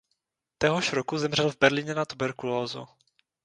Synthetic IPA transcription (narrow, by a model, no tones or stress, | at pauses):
t̪ɛɦoʃɾokuzɛmr̝ɛlvbɛɾlɪɲɛnat̪ubɛɾkuloːzṵ